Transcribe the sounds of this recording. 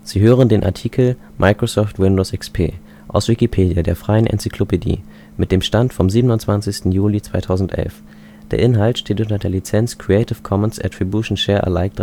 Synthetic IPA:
z̥iːɦøːʁ̞əndeːnʔa̰ɐtʰiːkʰl̩ | mʔaɪkʁ̥osɔftwɪndoːsʔɛkspʰḛː | ʔaʊsv̥ɪkipʰeːdijadeːɐfʁ̥aɪənʔɛ̰nt͡sɪkʰlopedḭː | mɪt̚d̥eːmʃtantfɔmziːbənʊntt͡sv̥ant͡sɪçstn̩juːlit͡sv̥aɪtʰaʊzn̩tʔɛ̰lf | d̥eːɐʔɪnɦaltʃteːtʔʊntɐdeːɐlit͡sɛnt͡skʁ̥iɛɪtɪfkʰɔmənsʔɛ̰tʁ̥ibjuʃn̩ʃɛːɐʔɛ̰ɐlaɪk̚t

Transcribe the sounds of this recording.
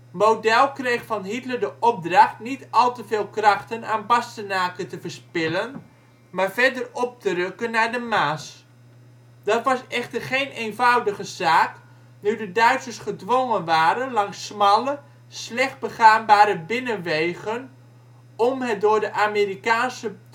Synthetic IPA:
mowdɛlˠkrejχfɑnɦitləɹdəʔɔb̚drɑχtnitɑlˠtəveːlˠkrɑχtənaːnbɑstənaːkətəvəɹspɪlən | maːɹvɛɹdərɔp̚tərɵkənːaːɹdəmaːs | d̥ɑtʋɑsɛχtərχejnejnvʌwdəχəzaːk | nydədœɥtsəɹsχədʋoŋənʋaːɾənlɑŋsːmɑlə | slɛχt̚bəχaːnbaːɾəbɪnənʋejɣən | ɔmɦət̚dʊːɹdəʔaːmeɾikaːnsə

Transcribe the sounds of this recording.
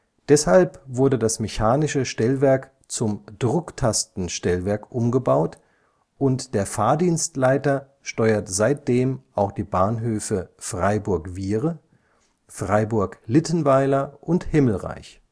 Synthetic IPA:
d̥ɛshalpvʊɐdədasmɛçaːnɪʃəʃtɛlvɛɐk | t͡sʊmd̥ʁʊktʰastn̩ʃtɛlvɛɐkʔʊmɡəbaʊt | ʔʊntd̥eːɐfaːɐdiːnstlaɪtɐ | ʃtɔʏɐtz̥aɪt̚d̥eːmʔaʊxd̥iːbaːnɦøːfəfʁ̥aɪbʊɐkviːʁə | fʁ̥aɪbʊɐklɪtən̩vaɪlɐʔʊnthɪml̩ʁa̰ɪç

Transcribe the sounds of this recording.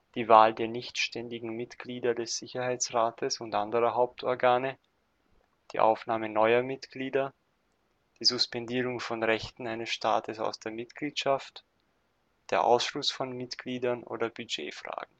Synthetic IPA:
d̥iːvaːldeːɐnɪçtʃtɛndɪɡŋ̩mɪtɡ̥liːdɐdɛsz̥ɪçɐhaɪt͡sʁaːtʰəsʊntʔandəʁɐɦaʊp̚tʰɔɐɡaːnə | d̥ḭːʔa̰ʊfnaːmənɔʏɐmɪtɡ̥liːdɐ | d̥iːzʊspɛndiːʁʊŋfɔnʁɛçtn̩aɪnəsʃta̰ːtʰəsa̰ʊsd̥eːɐmɪtɡ̥liːtʃaft | d̥eːɐʔa̰ʊsʃlʊsfɔnmɪtɡ̥liːdɐnʔo̰ːdɐbyd͡ʒḛːfʁ̥a̰ːɡŋ̩

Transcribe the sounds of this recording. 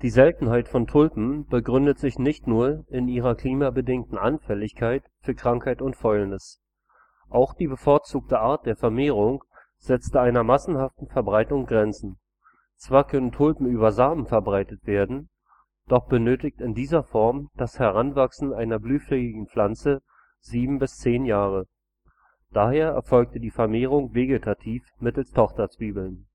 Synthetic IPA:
d̥iːzɛltn̩haɪtfɔntʰʊlpm̩b̥əɡʁʏndətz̥ɪçnɪçtnuːɐɪniːʁ̞ɐkl̥iːmabədɪŋk̚tn̩ʔanfɛlɪçkʰaɪtfyːɐkʁ̥aŋkhaɪtʊntfɔʏlnɪs | ʔaʊxd̥iːbəfoɐt͡suːk̚təʔaːɐt̚d̥eːɐfɛɐmeːʁ̞ʊŋ | z̥ɛt͡stəaɪnɐmasn̩haftn̩fɛɐbʁaɪtʊŋɡʁɛnt͡sn̩ | t͡sv̥aːɐkʰœnəntʰʊlpm̩yːβɐzaːbm̩fɛɐbʁaɪtətv̥eːɐdn̩ | d̥ɔχb̥ənøːtɪk̚tɪndiːzɐfɔɐmd̥ashɛʁanvaksn̩aɪnɐblyːflɛɡɪɡŋ̩l̥ant͡sə | ziːbm̩bɪst͡seːnjaːʁ̞ə | d̥aːheːɐɛ̰ɐfɔlk̚tədiːfɛɐmeːʁ̞ʊŋveːɡetʰatʰiːfmɪtl̩stʰɔχtɐt͡sv̥iːbl̩n

